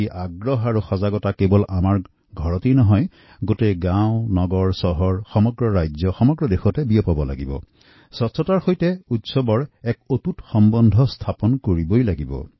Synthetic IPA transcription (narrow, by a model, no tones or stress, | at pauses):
iʔaɡɹɔɦaɹuxɔzaɡɔtakebɔlamaɹ | ɡʱɔɹɔtinɔɦɔj | ɡoteɡãʊ̃nɔɡɔɹsɔɦɔɹxɔmɔɡɹɔɹajzɔxɔmɔɡɹɔdexɔtɛbijɔpɔbɔla̰ɡibɔ̰ | sɔtsɔtaɹxojtɛutsɔbɔɹɛkotutxɔmbɔndʱɔstʰapɔnkoɹibojlaɡibɔ̰